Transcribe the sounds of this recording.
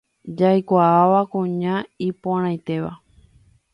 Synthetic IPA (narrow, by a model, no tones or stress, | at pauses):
d͡ʒajkʷaaʋakũɲãipoɾ̃ãjt̪e̞ʋa̰